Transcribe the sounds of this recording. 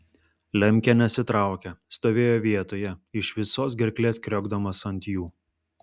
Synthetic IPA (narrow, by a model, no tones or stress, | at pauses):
lʲɛmʲkʲɛnʲɛsʲɪt̪ɾɑˑʊkʲɛst̪oːʋʲeːjoːʋʲiɛt̪oːjɛɪʃʋʲɪsoːs̬ɡʲɛɾʲklʲeːskɾʲɔɡd̪ɐmɐsɐnʲt̪ʲjuː